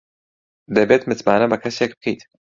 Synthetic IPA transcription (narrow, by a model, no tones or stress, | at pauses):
d̪ɐbeːt̪mɨt̪maːnɐbɐkʰɐseːk̚bɨ̥kʰejt̪